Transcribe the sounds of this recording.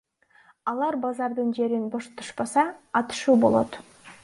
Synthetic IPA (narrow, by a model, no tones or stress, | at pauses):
ɑlˠɑɾbɑzɑɾd̪ɯnd͡ʒe̞ɾinboʃt̪ʰu̥ʃpɑsɑːt̪ɯ̥ʃuːbo̞lˠo̞t̪